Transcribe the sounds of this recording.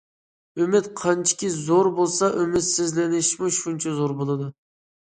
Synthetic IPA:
ymɪt̪qʰɑnt͡ʃʰi̥kʲizoɾbolˠsɑʔømɪt̪sɪzlɪnɪʃmuʃunt͡ʃʰɛzoɾbolˠɨd̪u

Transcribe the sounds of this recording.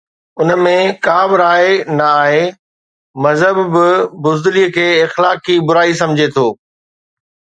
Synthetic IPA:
ʊnəmẽkaːbɪɾaːenɐaːɦe | mɐzɦəbːɪbʊzd̪ɪliəkʰeːɪxlaːkibʊɾaːis̬ɐ̃md͡ʑʱet̪ʰoː

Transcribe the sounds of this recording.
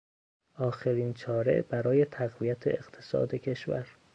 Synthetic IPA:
ʔɒːxeɾiːnt͡ʃʰɒːɾe̞̰ʔbæɾɒːje̞t̪ʰæɣvijæt̪ʰḛḛɣ̥t̪ʰe̥sɒ̰ːd̪ecʰe̞ʃvæ̰ɾ

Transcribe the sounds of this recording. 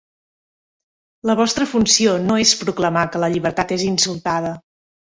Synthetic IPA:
ləβ̞ɔst̪ɾəfunsionoespɾukləmakələʎiβ̞əɾt̪at̪ezinsulˠt̪að̞ə

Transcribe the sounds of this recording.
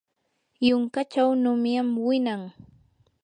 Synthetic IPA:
jʊŋkat͡ʃawnʊmjamwɪnaŋ

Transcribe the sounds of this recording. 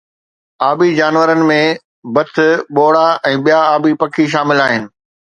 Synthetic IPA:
aːbid͡ʑaːnʋəɾənɪ̆mẽ | bɐt̪ʰɪ̆ɓoːɽaɛ̃ːɓijaaːbipɐkʰiʃ̬aːmɪlaːɦɪnɪ̆

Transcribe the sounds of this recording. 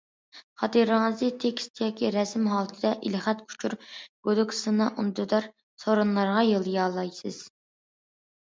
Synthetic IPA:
χɑt̪iɾɨŋɨzɨt̪ʰekʲst̪ʰjɑːkʲʰiɾɛsmɦɑːlˠt̪ʰɨd̪ɛʔḭlχæt̪kʰu̥t͡ʃʰuɾɡ̥od̪ɪkʰsɨnɑʔund̪yd̪ɑɾ | soɾunlˠɑɾʁɑjɨlˠjɑːlˠɑjsɨz̥

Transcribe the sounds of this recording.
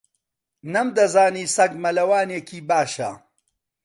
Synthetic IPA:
nɐmd̪ɐzaːniːsɐɡmɐlɐwaːneːkʰiːbaːʃɐ̰

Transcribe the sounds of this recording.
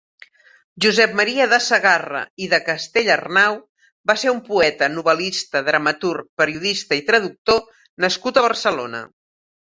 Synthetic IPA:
ʒuzɛp̚məɾiəðəsəɣarə̰iðəkəst̪eʎərnaw | baseɾumpuɛt̪ənuβəlist̪əðɾəmət̪urk̚pəɾiuðist̪əit̪ɾəðuk̚t̪o | nəskut̪əβ̞ərsəlonə̰

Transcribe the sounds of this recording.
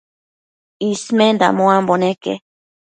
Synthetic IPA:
ismẽnd̪a̰mõambonekḛ

